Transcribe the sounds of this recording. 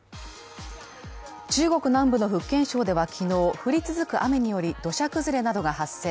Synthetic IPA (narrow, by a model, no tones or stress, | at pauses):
t͡ɕɨːɡo̞kɯ̟nãmbɯ̟no̞ɸɯ̟kːẽ̞ɰ̃ɕo̞ːd̪e̞βakʲʰino̞ːɸɯ̟ɾʲit͡sɨzɨkɯ̟ʔame̞ɲ̟ijo̞ɾʲid̪̥o̞ɕakɯ̟zɨɾe̞nad̪o̞ɡahasːe̞ː